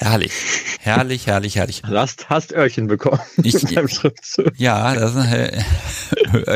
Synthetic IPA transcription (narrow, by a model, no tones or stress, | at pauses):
hɛɐlɪ̰çhɛɐlɪçhɛɐlɪçhɛɐlɪçdasthastʔœɐçənbəkʰɔməɪ̥aɪmʃʁ̥ɪftt͡suːjaːd̥as